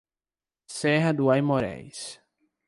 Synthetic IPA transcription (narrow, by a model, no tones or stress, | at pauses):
sɛɦɐd̪ʊajmoɾɛ̰js